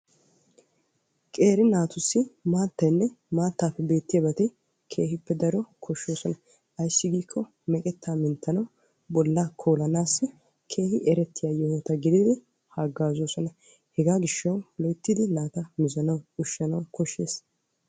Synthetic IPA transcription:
kʼe̞ːɾɪnaːt̪ʊsːɪmaːt̪ːɐjnːɛmaːt̪ːaːfːɛbe̞ːt̪ːɪjɐbɐt̪ɪ | kʰe̞ːɦɪpːɛd̪ɐɾɔkʰɔʃːoːsɔnɐ | ʔɐjsːɪɡiːkʰːɔ | mɛkʼɛt̪ːaːmɪnt̪ːɐnɐw | bɔlːakʰoːlɐnaːsːɪ | kʰe̞ːhɪʔɛɾɛt̪ːɪjaːjɔhot̪ɐɡɪd̪ɪd̪ɪ | haɡaːzoːsɔnɐ | hɛɡaːɡɪʃːɐwlɔjt̪ːɪd̪ɪnaːt̪ɐmɪzɐnɐwʊʃːɐnɐwkɔʃːe̞̰ːs

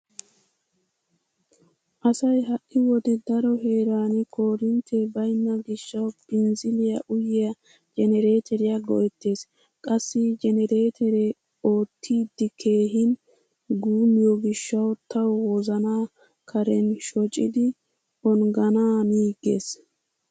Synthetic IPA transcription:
ʔɐsɐjɦɐʔːɪwɔd̪ɛd̪ɐɾɔɦe̞ːɾaːnɪkʰo̞ːɾɪnt̪ʰɛbɐjnːɐɡɪʃːɐwpɪnzɪlɪjɐʔʊjɪjɐ | d͡ʒɛnɛɾe̞ːt̪ʰɛɾɪjɐɡɔ̰ʔɛt̪ːe̞ːs | kʼɐsːɪd͡ʒɛnɛɾe̞ːt̪ʰɛɾe | o̞ːt̪ʰːiːd̪ːɪkʰe̞ːɦɪn | ɡuːmɪjɔɡɪʃːɐwt̪ʰɐwwɔzɐnaː | kʰɐɾɛnʃɔt͡ʃʼɪd̪ɪ | ɔnɡɐnaːniːɡḛːs

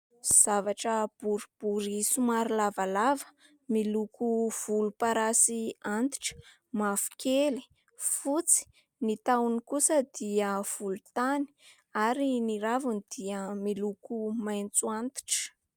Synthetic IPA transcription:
z̥avaʈ͡ʂəb̥uɾib̥uɾisumaɾilavalavə̥ | milukuv̥ulupaɾasiant̪i̥ʈ͡ʂə̥ | mafu̥keli̥ | fut͡si̥ | nit̪awnikusəd̪̥iəv̥ulut̪ani̥ | aɾiniɾavunid̪̥iəmilukumajnt͡suant̪i̥ʈ͡ʂə̥

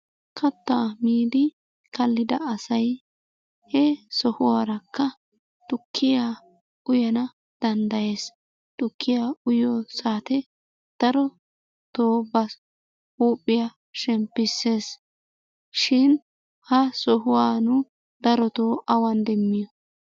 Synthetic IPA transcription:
kʰɐt̪ːaːmiːd̪ɪ | kɐlːɪd̪ɐ̰ɐsɐj | hɛsɔhʊwaːɾɐkːɐ | t̪ʊkʰːɪjaː | ʊjɐnɐ | d̪̥ɐnd̪ɐje̞ːs | t̪ʊkʰːɪjaːʊjɔːsaːt̪ɛ | d̪̥ɐɾɔ | t̪oːbɐ | huːpʼːɪja | ʃɛmpːɪsːe̞ːs | ʃɪn | hɐsɔɦʊwaːnʊ | d̪̥ɐɾɔt̪oːʔɐwɐnd̪ɛmːɪjɔ

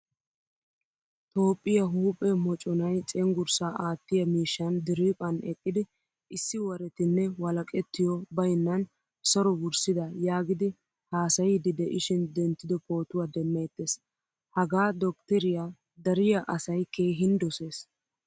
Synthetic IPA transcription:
t̪o̞ːpʼːɪjɐɦuːpʼɛmɔt͡ʃʼɔnɐjt͡sʼɛŋɡʊɾsaːʔaːt̪ːɪjɐmiːʃːɐnd̪ɪɾiːpʼɐnɛkʼːɪd̪ɪ | ɪsːɪwɐɾɛt̪ɪnːɛwɐlɐkʼɛt̪ːɪjɔbɐjnːɐn | sɔɾɔbʊɾsɪd̪ɐjaːɡɪd̪ɪ | haːsɐjɪd̪ɪd̪ɛʔɪʃɪnd̪ɛnt̪ːɪd̪ɔpo̞ːt̪ʊwaːd̪ɛmːɐjt̪ːes | hɐɡaːd̪ɔkt̪ɛɾɪja | d̪ɐɾɪjɐʔɐsɐjkeːɦɪnd̪ɔse̞ːs

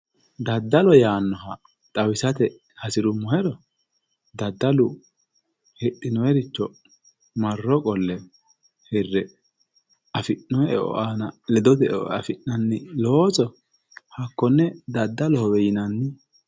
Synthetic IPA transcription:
d̪ɐd̪ːɐlɔjaːnːɔɦɐ | t̪ʼɐwɪsɐt̪ɛ | hɐsɪɾʊmːɔhɛɾɔ | d̪ɐd̪ːɐlʊ | hɛɗɪnɔjɛɾɪt͡ʃːɔ | mɐrːɔkʼɔlːɛ | hɛrːɛ | ɐfɪʔːɔɛɛ̰ʔɔ̰ʔaːnɐlɛd̪ɔt̪ɛ̰ɔ̰ɐ̰fɪnːɐnːɪloːsɔ | hɐkːɔnːɛd̪ɐd̪ːɐlɔhɔwɛjɪnɐnːɪ

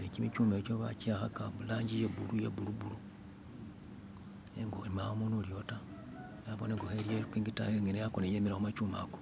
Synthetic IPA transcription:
lecimit͡ʃuːmeːcoβacaxakaβulaːɲɟijeβulujḛβulubulu | eŋɡolimaomunuljo̞ta | jaβoneŋɡoxeɾjekwiŋɡita̰eŋɡenejakonejemiɾaxumat͡ʃuːma̰ɡo

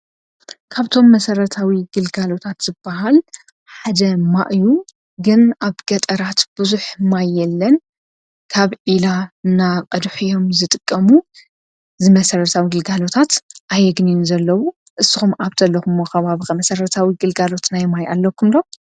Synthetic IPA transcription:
kʰaβt̪ʰo̞mːɐsɐɾɐt̪ʰawiɡɨlɡalo̞t̪ʰat̪z̥ɨb̥ːaɦal | ħad̪ɐmaʔju | ɡɨnaβɡɐt̪ʼɐɾat̪b̥ɨzuħmajːɛlːɐn | kʰaβʕilaɨnaqʼɐd̪ħijo̞mzɨt̪ʼɨkʼːɐmu | zɨmɐsɐɾɐt̪ʰawiɡɨlɡalo̞t̪ʰat̪ʔajɛɡninzɐlːɐwu | ʔɨsɨxumʔaβt̪ʰɐlːɐxumːoxɐβaβɨxɐmɐsɐɾɐt̪ʰawiɡɨlɡalo̞t̪najmajʔalːɐkʰːumlo

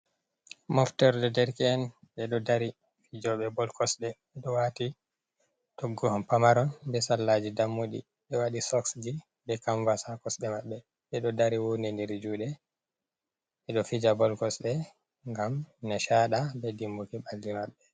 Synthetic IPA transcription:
mɔftɛɾdɛdɛɾkɛɛn | ɓɛɗɔdaɾi | fid͡ʒɔɓɛbɔlkɔsɗɛɓɛɗɔwati | tɔɡːɔhampamaɾɔnbɛsalːad͡ʒidamːoɗḭ | ɓɛwaɗisɔksd͡ʒi | bɛkaɱvasakɔsɗɛmaɓːɛ | ɓɛɗɔdaɾiwunɛndɛɾd͡ʒuːɗɛ | ɓɛɗɔfid͡ʒabɔlkɔsɗɛ | ŋɡamnɛʃaɗabɛdimbokiɓalːimaɓːɛ

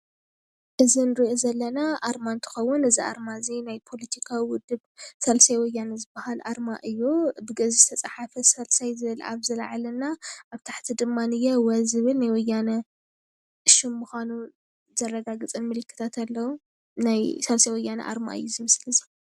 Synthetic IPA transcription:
ʔɨzinɨɾiʔozɐlːɐnaʔaɾmant̪ʰɨ̥xɐwːʊnɨziʔa̰ɾmazinajpʰo̞lɐt̪ʰikʰawiwʊd̪ːɨβsɐlsajwɔjːanɐzɨbːahalʔa̰ɾmaʔɨjːubɨɡɐzizt̪ʰɐt͡sʼaħafɐsɐlsajzɨβɨla̰βzɐla̰ʕalɐnːaʔaβt̪ʰaħt̪ʰid̪ɨmːanɨjɛwɐzɨβɨlnajwɔjanɐ | ʃɪmːuxanu | z̥ɐrːɐɡaɡɨt͡sʼɨnmɨlɨkʰːɨ̥t̪ʰat̪ʰalːɐwu | najsɐlsajwɔjːanɐ̰ʔa̰ɾma̰ʔɨ̰jːuzimɨslɨzi

